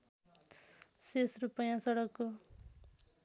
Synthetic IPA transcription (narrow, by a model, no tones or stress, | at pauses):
sesrupʌjãsʌɽʌkːo